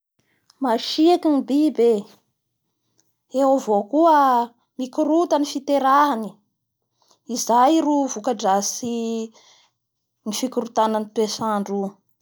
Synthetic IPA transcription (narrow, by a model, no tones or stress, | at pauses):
maʃiakinibibe | ewavokuə | mikuɾut̪ənifit̪eɾaɦani | izajruvukaɖ͡ʐasi | nifikuɾut̪anant̪uesaɳɖ͡ʐu